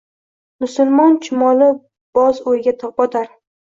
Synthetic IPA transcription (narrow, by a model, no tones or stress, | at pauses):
mʊsʊlˠmɒnt͡ʃʰɪmɒlɪ | b̥ɒzojɡʲat̪ʰɒp̚bɒt̪ʰaɾ